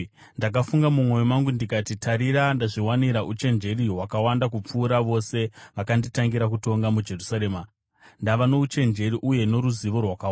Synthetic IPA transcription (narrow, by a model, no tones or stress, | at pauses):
ndakafuŋɡamumwo̞jomaŋɡundikatitʰaɾiɾandaʐiwaniɾaʔut͡ʃe̞nd͡ʒe̞riɦwakawandak̬up͡fuːɾaʋo̞se̞ʋakanditaŋɡiɾakuto̞ŋɡamud͡ʒe̞rusaɾeːma | ndaʋano̞ut͡ʃe̞nd͡ʒe̞ɾiʔuje̞no̞ɾuziʋo̞rwakawa